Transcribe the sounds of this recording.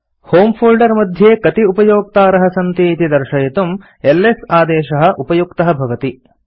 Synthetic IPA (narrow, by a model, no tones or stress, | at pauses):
hoːmpʰoːlɖɐɾmɐd̪ʱjeːkɐt̪iupɐjoːk̚t̪aːɾɐɦɐ̆sɐnt̪iːt̪id̪ɐɾʃɐjɐt̪um | elːesaːd̪eːʃɐɦɐ̆ʔupɐjukt̪ɐɦɐbʱɐʋɐt̪i